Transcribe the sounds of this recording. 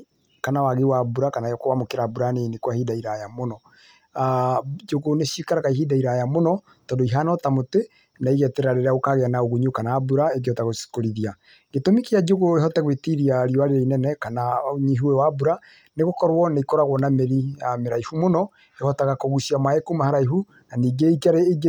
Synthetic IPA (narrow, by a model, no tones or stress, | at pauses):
kanawaɣewabuɾakanajɔkoβamokeɾabuɾanenekwahidaiɾajamonɔ | d͡ʒoɣoneʃikaɾaɣaiɦidaiɾajamonɔ | tɔːndoiɦanɔtamote | naiɣɛtɛɾaɾeɾeaɣokaɣeanaoɣuɲukanaːbuɾaek̬eɔtaɣoskoɾiðia | ɡetomikead͡ʒoɣoeɦɔtaɣwetiɾiaɾiɔaɾeɾeinɛnɛkanaoɲiɦuewabuɾa | neɣokɔɾwɔnaikoɾaɣwɔnameɾiameɾaihumonɔ | ehɔtaɣakoɣusiamaekumahaɾaihu | naniːɡeikaɾeːɡ